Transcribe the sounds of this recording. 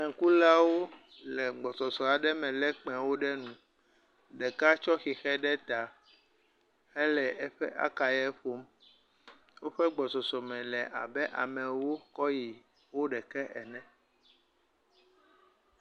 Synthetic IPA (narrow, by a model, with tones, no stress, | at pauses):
ɛ˨ŋ̩˨ku˦la˦wo˦ | lɛ˨ɡ͡bɔ˨sɔ˨sɔ˨a˨ɖɛ˦mɛ̃˨lɛ˦k͡pɛ̃˨wo˦ɖɛ˦nũ˨ | ɖɛ˨ka˦t͡ʃɔ˦xi˨xɛ˦ɖɛ˦t̪a˨ | ɛ˦lɛ˨ɛ˦ɸɛ˦ʔa̰˦ka˨jɛ˦ɸo˦m | wo˦ɸɛ˦ɡ͡bɔ˨sɔ˨sɔ˨mɛ̃˨lɛ˨ʔa̰˨bɛ˦ʔa̰˨mɛ̃˨wo˦kɔ˦ji˨ | wo˦ɖɛ˨kɛ˦ʔɛ˨nɛ̃˦